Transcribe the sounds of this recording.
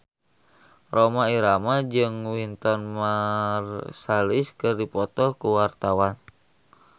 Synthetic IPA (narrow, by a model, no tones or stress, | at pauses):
romaiɾamad͡ʒɨŋwint̪ɔnmarsaliskɨrdipɔt̪ɔkuwart̪awan